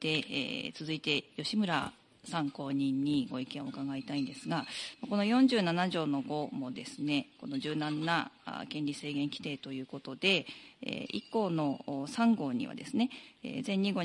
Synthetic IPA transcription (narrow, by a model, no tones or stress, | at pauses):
d̪̥e̞̰t͡sɨzɨit̪e̞jo̞ɕimɯ̟ɾa̰ | sãŋko̞ːɲ̟ĩɲ̟ːiɡo̞ikẽ̞o̞ɯ̟kaɡait̪aĩnd̪e̞sɨɡamako̞no̞jõ̞ɲ̟d͡ʑɨːnanaʑo̞ːno̞ɡo̞mo̞d̪e̞sɨne̞ko̞no̞ʑɨːnãnːaa̰kẽ̞nʲɾʲise̞ːɡẽ̞ŋkʲi̥t̪e̞ːt̪o̞jɯ̟ːko̞t̪o̞d̪e̞ḛḭkːo̞ːno̞ːsãŋɡo̞ːɲ̟ḭβa̰d̪e̞sɨne̞ḛːzẽ̞ɲ̟ːiɡo̞